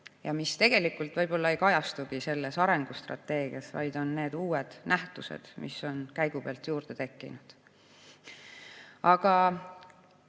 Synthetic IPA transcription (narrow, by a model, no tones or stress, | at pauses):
jɑmist̪e̞ɡ̥e̞likːˑult̪vɤjb̥o̞lːɑe̞jkɑjɑst̪uɡ̥ise̞lːe̞sɑɾe̞ŋɡ̥ust̪rɑ̰t̪ːe̞ːɡ̥iɑsvɑ̰jd̪̥o̞nːe̞ːd̪uːwed̪̥næht̪usḛd̪̥mʔḭso̞nkæjɡ̥ubeɑlt̪juːɾd̪̥e̞t̪e̞kːḭnud̪̥ | ɑɡ̥ɑ